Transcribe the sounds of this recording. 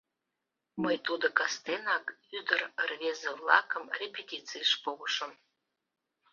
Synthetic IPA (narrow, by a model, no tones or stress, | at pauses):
məjt̪ud̪okɑst̪enɑkyd̪ərərβezevlˠɑ̰kəmrʲepʲetʲit͡sijəʃpoɣəʃəm